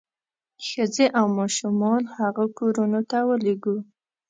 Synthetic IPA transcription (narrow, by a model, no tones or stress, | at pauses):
xəzeʔawmɑʃumɑnhaɣakoɾunot̪awəleɡu